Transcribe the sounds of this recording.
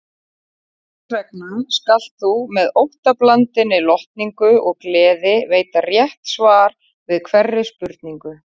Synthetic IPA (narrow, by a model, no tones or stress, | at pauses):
t̪ʰvɛk̚nanskal̥t̪θumɛðowht̪aplant̪ɪnɪlɔht̪niŋkʏɔɣklɛːðɪveːjt̪arjɛht̪svaːɾ | vɪðkʰvɛrːɪspʏɾt̪niŋkʏ